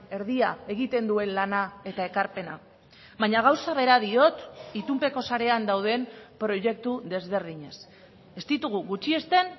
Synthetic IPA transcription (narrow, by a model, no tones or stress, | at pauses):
e̞ɾðiae̞ɣit̪e̞nd̪ue̞nlanae̞t̪ae̞kaɾpe̞na | βaɲaɣ̞awsaβe̞ɾaðio̞t̪it̪umpe̞ko̞saɾe̞and̪awð̞e̞mpɾo̞ʝe̞k̚t̪uðe̞zβ̞e̞ɾð̞iɲe̞s | e̞st̪it̪uɣ̞uɣut͡ʃie̞st̪e̞n